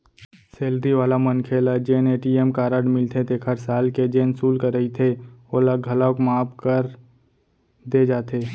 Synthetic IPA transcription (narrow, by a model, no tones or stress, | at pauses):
seːld̪iʋaːlamənkʰeːlad͡ʒeːneːʈiemkaːɾəɽmɪlt̪ʰet̪ekʰəɾsaːlked͡ʒeːnsuːlkəɾəit̪ʰeoːlaɡʱəlakmaːpkəɾ | d̪ed͡ʒaːt̪ʰeː